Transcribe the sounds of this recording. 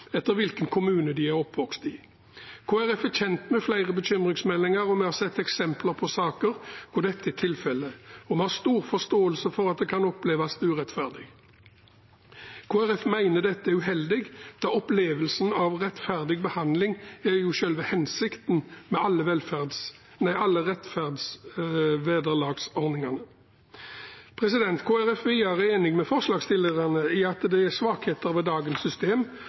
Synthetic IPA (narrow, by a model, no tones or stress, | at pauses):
ɛt̪ːəɾʋɪlkənkʰʊmʉːnəd̪ɪæɾɔpʋɔkst̪ɪ | kʰoːæɾɛfæçɛnt̪mɛflæɪʁəbəçʏmʁɪŋsmɛlːɪŋɑɾɔmɛhɑsɛt̪ːɛksɛmpləɾpʰɔsɑːkəɾkʰɔd̪ɛt̪ːəɪt̪ʰɪlfɛlːəɔmɛhɑst̪uːʁfɔst̪oːəlsəfɔɾɑt̪̚d̪ɛkʰɑnɔpleːʋɑst̪ʉːʁɛt̪fæʁd̪ɪɡ | kʰoːæɾɛfmæɪnəd̪ɛt̪ːəʉɦɛld̪ɪɡd̪̥ɑɔpleːʋəlsn̩ɑʋʁɛt̪fæʁd̪ɪɡ̚bəhɑnd̪lɪŋæjʊːʃœlʋəhɛnsɪkt̪n̩mɛɑlːəʋɛlfæd̪s | næɑlːəʁɛt̪fæʁd̪s | ʋeːd̪əʁlɑːɡsɔʁnɪŋɑnə | pʰʁɛsɪd̪ɛnt̪kʰoːæɾɛfʋiːəɾəeːnɪŋmɛfɔʁslɑːɡst̪ɪlːəʁənəiɑt̪d̪ɛæsʋɑːkheːt̪əɾʋɛd̪ɑːɡənsːʏst̪eːm